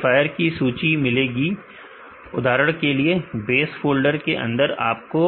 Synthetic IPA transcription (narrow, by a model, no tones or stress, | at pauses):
faːjəɾkisuːt͡ʃimɪleːɡi | ʊ̰d̪ʱaːɾəɽ̃keliebeːsfoːlɖəɾkeʔɐ̰̃nd̪əɾa̰ːp̚ko